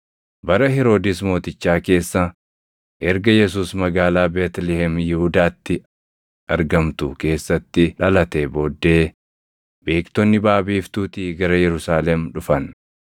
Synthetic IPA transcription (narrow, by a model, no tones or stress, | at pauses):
bɐɾɐɦɛɾo̞ːd̪ɪsmo̞ːt̪ɪt͡ʃːaːke̞ːsːɐ | ʔɛɾɡɐjɛs̬uːsmɐɡaːlaːbeːt̪lɛhɛmjɪhʊd̪aːt̪ːɪ | ʔɐɾɡɐmt̪ʊke̞ːsːɐt̪ːɪᶑɐlɐt̪ɛboːd̪ːe̞ː | be̞ːkt̪ɔnːɪbaːbiːft̪uːt̪iːɡɐɾɐjɛɾʊsaːlɛmᶑʊfɐn